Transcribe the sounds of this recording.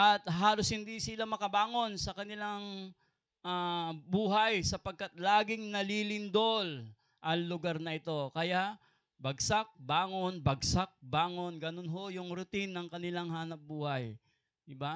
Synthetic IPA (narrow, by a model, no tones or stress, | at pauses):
ʔɐt̪ɦaːloshɪnd̪isɪlamɐkɐbaːŋo̞nsɐkɐnɪlaŋ | ʔabuːɦɐjsɐpɐɡ̚kːat̪̚laːɡɪŋnɐlilɪnd̪ol | ʔɐŋlʊɡaɾnɐʔɪt̪o̞kɐjaʔ | bɐɡsak̚baːŋo̞nbɐɡsak̚baːŋo̞nɡɐnonɦo̞jʊŋɾʊt̪inːɐŋkɐnɪlaŋhaːnɐp̚buːhɐj | d̪ɪba